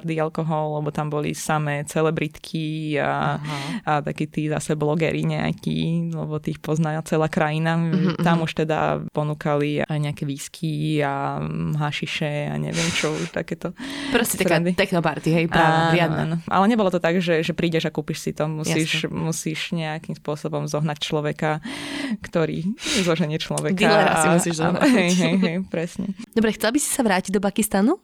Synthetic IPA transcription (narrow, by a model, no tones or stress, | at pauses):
ɾd̪ialkɔɦɔlːɛbɔt̪ambɔlḭsamɛːt͡sɛlɛbɾit̪kʰia̰ | at̪akiːt̪iːza̰sɛblɔɡɛ̰ːɾiɲɛa̰kḭlɛ̰bɔt̪iːxpɔznat͡sɛlaːkɾajinat̪amuʃt̪ɛd̪a̰pɔnuːkalḭajɲɛakɛʋiːskʰiaɦaʃiʃɛa̰ɲɛ̰ʋɪɛmt͡ʃɔuʃt̪a̰kɛːt̪ɔpɾɔsɛt̪aɾɛnd̪it̪ɛknɔpaɾt̪iɦɛjpaɪad̪a̰nɔʔa̰lɛɲɛbɔlɔt̪ɔt̪aɡʒɛʒɛpɾiːɟɛʒakuːpiʃsit̪ɔmusiːʃmusiːʃɲɛakiːmspʊɔsɔbɔmzɔɦnac̚t͡ʃlɔʋɛkakt̪ɔɾḭːzlɔʒɛɲɪɛt͡ʃlɔʋɛdk̪ialɾaaimusiːʒzɔnɦɛjɦjɦɛjpɾɛsɲɛd̪ɔbɾɛxtt͡sɛlˠbisi̥saʋɾaːciɟd̪ɔp̬akist̪anu